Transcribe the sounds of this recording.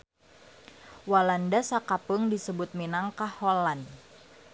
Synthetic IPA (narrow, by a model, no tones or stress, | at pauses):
walandasakapʊŋdisəbʊt̪̚minaŋkahɔlan